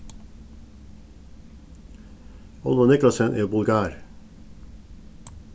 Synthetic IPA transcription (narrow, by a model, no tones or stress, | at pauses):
ɔlʋɔnɪklɑsənʔḛːbʊlɡɑːɾ